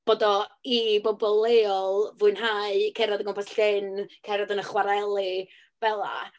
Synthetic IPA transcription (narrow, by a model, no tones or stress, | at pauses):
b̥oːdɔibɔbɔlˠeɔlˠvuɨnɦaɨkʰɛɾɔdəŋɡɔmpɔsɬɪnkʰɛɾaðənəχwaɾɛlˠi | v̥ɛlˠa̰